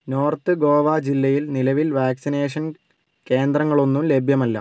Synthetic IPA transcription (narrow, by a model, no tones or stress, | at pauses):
no̞ːrt̪ɨɡo̞ːʋaːd͡ʑilːɐjilnilɐʋilʋaːksine̞ːʂ̬ɐn | ke̞ːnd̪ɾrɐŋːɐɭo̞nːumle̞bʱjɐmɐlːɐ̰